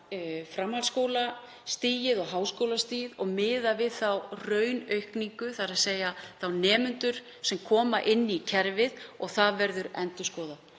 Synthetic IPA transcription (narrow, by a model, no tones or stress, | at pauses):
fɾamhalskoːwla | st̪iːjɪðɔɣɦaːwskowlast̪iːðɔɣmɪːðavɪðθawrœɥnœɥhkniŋkʏθaɾaðseːjaθawnɛːmʏnt̪ʏɾ̥ | sɛmkʰɔːmaʔɪnːɪicʰɛɾvɪðɔɣθaðvɛɾðʏɾɛnt̪ʏskɔːða